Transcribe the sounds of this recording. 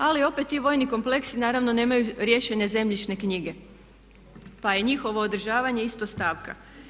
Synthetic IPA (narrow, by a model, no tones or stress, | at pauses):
alio̞pet̪ːiʋo̞ːjniko̞mple̞ksinaːɾaʋno̞ne̞ːmajuɾje̞ːʃe̞ɲeze̞mʎit͡ʃnekɲiɡe̞ | paje̞ɲixo̞ʋo̞ːd̪ɾ̩ʒaːʋaɲe̞ist̪ost̪aːʋka̰